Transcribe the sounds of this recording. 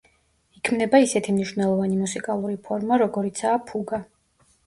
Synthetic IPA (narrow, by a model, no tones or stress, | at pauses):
ikʰmnɛbaisɛt̪ʰimniʃwvnɛlˠɔvanimusikʼalˠuɾipʰɔɾmaɾɔɡɔɾit̪sʰaːpʰuɡa